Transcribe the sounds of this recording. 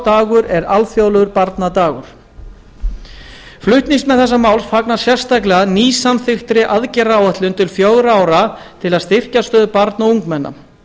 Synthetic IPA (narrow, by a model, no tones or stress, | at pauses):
t̪aːɣʏɾɛɾalfjowlʏɣʏɾpaɾt̪nat̪aːɣʏ̰ɾ̥ | flʏht̪niŋsmɛðθɛsːamaːwlsfaknḁsjɛr̥st̪aklɛɣaniːsːamθɪxt̪ɾɪʔaðcɛraːwaht̪lʏnt̪ʰɪlfjoɣɾaːwɾat̪ʰɪlaðst̪ɪr̥cast̪œːðʏpaɾt̪nauŋkmɛnːa̰